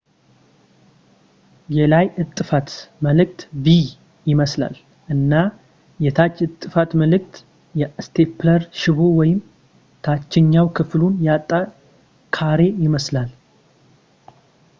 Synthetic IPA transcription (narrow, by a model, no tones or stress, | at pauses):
jɛlajʔɨt̪ʼːɨfat̪məlɨk̚t̪vi | jɪməsla̰l | ʔɨnːa | jɛt̪ʰat͡ʃːɨt̪ʼːɨfat̪məlɨkt̪ | jɛst̪ʰepʰləɾʃɪβowɔjɪm | t̪ʰat͡ʃːɪɲːawkʰɨflunjat̪ʼːa | kʰaɾe̞jɪməslal